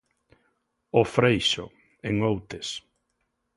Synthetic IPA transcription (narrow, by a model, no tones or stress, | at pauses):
ʊfɾejʃʊ̰ | eŋowt̪es